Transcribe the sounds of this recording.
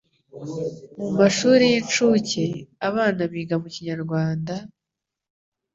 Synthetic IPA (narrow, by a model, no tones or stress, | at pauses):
mumaʃuːɾijint͡ʃuce̞aβaːnaβiːɡamuciɲaɾɡwaːnda